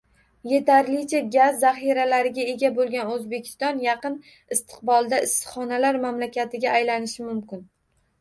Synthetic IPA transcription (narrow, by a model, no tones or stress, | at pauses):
je̞t̪ʰaɾlɪt͡ʃʰaɡʲazːaχiɾalaɾɪɡʲae̞ɡʲabolˠɡʲanɵzbe̞kʲʰɪ̥st̪ɒnjɑqɨn | ɪst̪ʰɨ̥q̚bɒlˠd̪aɪsɨ̥χɒnalaɾmamlakʲʰat̪ʰɪɡʲaːjlanɪʃɪmʊmkʲɪn